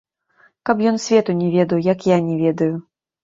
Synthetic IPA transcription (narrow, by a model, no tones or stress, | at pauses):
kɐpjɔnsʲvʲɛt̪unʲɛvʲɛd̪ɐwjɐkjanʲɛvʲɛd̪ɐju